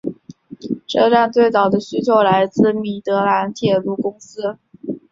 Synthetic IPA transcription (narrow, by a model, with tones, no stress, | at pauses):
ʈ͡ʂɤ˥˧ʈ͡ʂa˥˧nt̪we˥˩ɪt͡sɑ˨˩ʊd̪ə˦ɕy˥t͡ɕʰjo˧˥ʊla˧˥ɪt͡sɹ̩˥˩mi˨˩t̪ɤ˧˥la˧˥nt̪ʰjɛ˨˩lu˥˩kʊ˥ŋsɹ̩˥